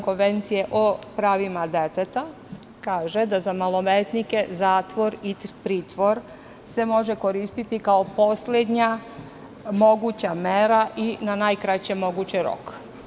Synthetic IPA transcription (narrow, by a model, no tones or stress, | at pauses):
ko̞nʋe̞nt̪sijeʔopɾaːʋimad̪et̪et̪a | kaːʒe̞d̪azamalo̞meːt̪nike̞zaːt̪ʋo̞ɾipɾiːt̪ʋo̞ɾ | se̞mo̞ʒe̞ko̞ɾiːst̪it̪ikao̞po̞sled̪ɲa | mo̞ɡut͡ɕameɾaʔinanaːjkɾat͡ɕemo̞ɡut͡ɕeɾo̰k